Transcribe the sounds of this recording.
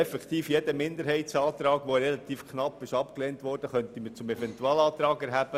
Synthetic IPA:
ɛfɛkχt̪iːfjed̥əmɪndəɾhɛɪtsɑːt̪ɾɑːɡʋoɾɛlɑt̪iːfkχnɑpːɪʃɑpkleːntʋɔrd̥əχœntiməɾt͡sʊmɛvɛntuɑːlɑːt̪ɾɑːɡɛɾɦæb̥ə

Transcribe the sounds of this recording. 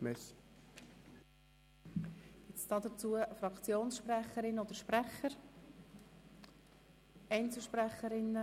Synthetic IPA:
mɛs | ɪt͡sd̥ɑːd̥ət͡suːəfrɑkt͡sjoːnsʃprɛχəɾɪnːəod̥əɾʃprɛχəɾ | ɛɪnt͡sl̩ˠʃpræχəɾɪnːə

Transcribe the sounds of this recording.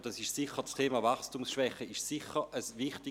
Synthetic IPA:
d̥ɑsɪʃsɪχət͡stʰeːmavaχstumsʃvɛχəɪʃsiχəʔəsvɪχtɪ

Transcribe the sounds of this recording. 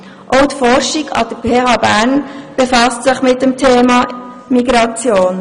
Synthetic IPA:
ʔoʊtfɔɾʃiɡɑ̰d̥əpʰeːɑbæːnb̥efɑstsɪχmɪt̚dəmtʰeːmɑ | miɡɾɑt͡sjoːn

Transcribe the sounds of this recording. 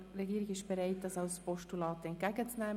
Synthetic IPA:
rɛɡiːɾɪɡɪʃb̥eɾaɪt̚dɑsaʊspɔʃtulɑːtəɛnt̚ɡæɡət͡snɛː

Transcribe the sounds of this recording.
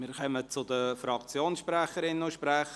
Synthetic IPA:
mɪːɾkœmət͡sʊdəfɾɑkt͡sjoːnsʃpɾæχəɾɪnuʃpɾæχə

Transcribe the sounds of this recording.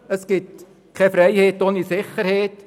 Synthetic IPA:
əsɡ̥ɪt | kʰɛfɾɛɪheːtoːnisɪχərheːt

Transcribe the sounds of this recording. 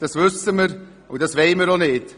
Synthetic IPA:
d̥ɑsvʏsəməɾ | ṵdɑsveɪməɾonɪt

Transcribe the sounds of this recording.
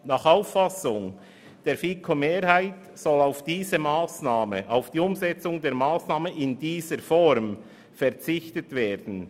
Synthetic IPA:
nɑːχaʊfːɑsʊŋ | d̥eːɾfiːkʰomeːɾhaɪt | sɔlaʊfd̥iːzəmaːsnaːməʔaʊfd̥iːʊmzɛt͡sʊŋdeːɾmaːsnɑːməʔɪndiːzəɾfɔɾm | fɛɾt͡sɪçtətveːɾd̥n̩

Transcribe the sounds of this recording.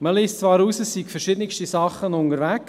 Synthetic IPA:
məliːstt͡svɑːɾuːsəsːikfɛɾʃɪd̥̪ənɪkʃtisɑχːənʊnəɾʋæk

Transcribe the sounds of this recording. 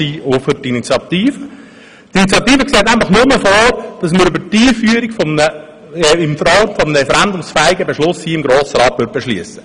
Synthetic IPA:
iːofəɾtinit͡sjɑt̪iːfə | tinit͡sjɑt̪iːfəksɛːtnæɪnflχnʊməfoːɾd̥ɑsməɾybətiːfyəɾikfɔmnə | ɛɪmfəɾɑlˠtfɔmnəɾɛfɛɾændʊmsfæːiɡəbeʃlʊshiːɪmɡɾoːsəɾɑːt̪ʋʏɾt̚beʃlyəsə̥

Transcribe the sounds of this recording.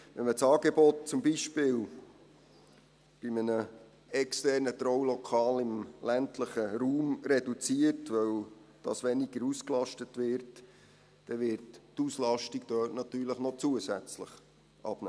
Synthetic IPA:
ʋɛnmət͡sɑːɡ̥ebɔt̚t͡sʊmbiʃpɪːl | b̥imənə | ɛkstɛrnət̪ɾɔwlɔkʰɑːlɪmlæntʰləχəɾuːmrɛdut͡siərtʋœwd̥ɑsʋɛniɡəɾusklɑʃtətʋɪrt | d̥ɛʋɪrttuslɑʃtiɡd̥œːtnɑt̪yːɾləχnɔt͡suəsæt͡sləχ | ʔɑ̰b̥nɛ

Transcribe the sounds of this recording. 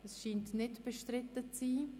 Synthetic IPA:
əsʃiːntnɪtb̥əʃtɾɪtət͡siː

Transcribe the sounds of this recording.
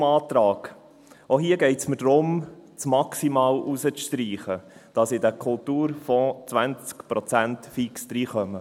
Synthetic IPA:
mɑːt̪ɾɑːɡ̥ | ʔoɦiːəɡɛɪtsməd̥ɾʊmt͡smɑksimɑːlusət͡sʃtɾiːχəd̥ɑsɪdəkʰʊltuːɾfɔt͡sʋænt͡skpɾɔt͡sæntfiksd̥̪ɾiːχœmə

